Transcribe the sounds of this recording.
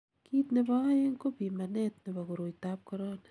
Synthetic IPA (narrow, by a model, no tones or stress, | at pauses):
kʰitnebaajeŋkopimanet̚nebaɡuɾojtap̚koɾona